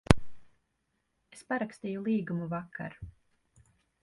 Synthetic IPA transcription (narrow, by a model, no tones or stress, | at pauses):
espaɾakst̪iːjulˠiːɡumuvakʰːa̰ɾ